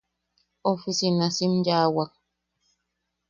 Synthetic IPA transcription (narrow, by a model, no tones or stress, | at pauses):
ɔfisinasimd͡ʒawak̚